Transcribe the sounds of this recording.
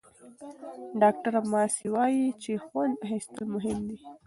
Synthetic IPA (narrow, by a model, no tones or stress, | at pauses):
ɖɑk̚ʈaɾamɑsiwɑjit͡ʃexwand̪ɦest̪əlmʊɦɪmd̪i